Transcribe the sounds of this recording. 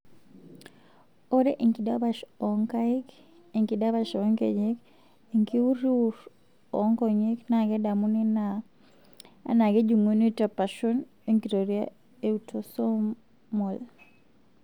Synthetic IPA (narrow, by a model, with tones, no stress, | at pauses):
o˦ɾe˦ʔi˨ŋki˨da˦ba˨ʃɔ˨ŋka˦i˦k | i˨ŋki˨da˦ba˦ʃɔ˦ŋkḛ˨ɲe˦k | i˨ŋki˦u˦ɾi˦u˨ɾ | ɔ˨˦ŋkɔ˨ɲe˦kna˨ɡɛ˦da˨mu˦ni˦na˨ | a̰˨na˨ɡe˦d͡ʒu˨ŋo˦ni˦ta˨pa˨ʃo˦n | e˦ŋki˨ɾo˨ɾia̰˦ | e˦u˨tʰoso˦ | mɔ˨l